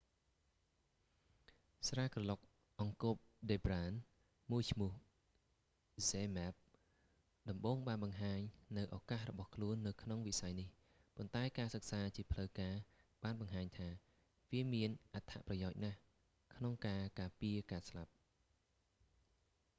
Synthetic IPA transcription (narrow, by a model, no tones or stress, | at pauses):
sraːkrɑlok̚ | ʔɑŋkop̚ɗeːbraːn | muəjt͡ɕʰmʊəh | zeːmɛp̚ | ɗɑmɓoːŋɓaːnɓɑŋɦaːɲnɨwʔakahrɔɓɑhkʰluənːɨwkʰnoŋʋisajnih | pont̪aɛkaːsək̚saːt͡ɕiəpʰləwkaːɓaːnɓɑŋɦaːɲt̪ʰaː | ʋiəmiənʔat̪ʰa̰ʔprɑjaɔc̚nah | kʰnoŋkaːkaːpiəkaːslap̚